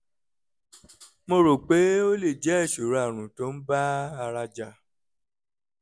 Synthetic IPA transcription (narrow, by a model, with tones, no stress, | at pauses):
mo˧ɾo˨k͡pe˨˦o˦le˦˨d͡ʒɛ˨˦ɛ˦˨ʃo˨ɾa˦˨ɾ̃ũ˨to˨˦n̩˦ba˦a˧ɾa˧d͡ʒa˧˨